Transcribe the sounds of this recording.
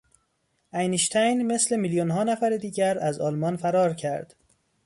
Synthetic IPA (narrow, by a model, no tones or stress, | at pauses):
ʔæjniʃt̪ʰæjnme̞sle̞miljonɦɒːnæfæɾed̪iːɟæɾæzɒːlmɒnfæɾɒːɾcʰæɾd̪̥